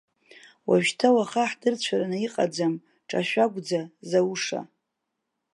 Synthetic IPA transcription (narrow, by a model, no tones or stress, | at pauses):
waʒᶣtʰawaχaħdɨrt͡ɕʷʰaranaiqʼad͡zam | ʈ͡ʂʼa̰ʃʷᶣaɡʷd͡zazawuʂa̰